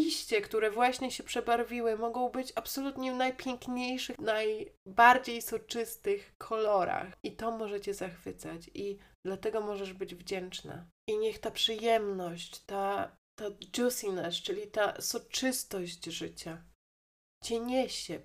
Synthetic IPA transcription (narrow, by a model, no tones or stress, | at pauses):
iɕt͡ɕɛkt̪uɾɛvwaɕɲɛɕɛpʂɛbaɾvʲiwɘmɔɡɔ̃w̃bɘt͡ɕapsɔlut̪ɲɛvnajpʲjɛŋkɲejʂɘnajbaɾd͡ʑejsɔt͡ʂɘst̪ɘxkʰɔlɔɾa̰xit̪ɔmɔʐɛt͡ɕɛzaxfɘt̪sat͡ɕid̪̥lat̪ɛɡɔmɔʐɛʐbɘd͡ʑvd͡ʑɛnt͡ʂna̰ʔiɲɛxt̪apʂɘjɛmnɔɕt͡ɕt̪a | t̪ad͡ʒɔsinɛst͡ʂɘlʲit̪asɔt͡ʂɘst̪ɔɕt͡ɕʐɘt͡ɕa | t͡ɕɛɲɛɕɛ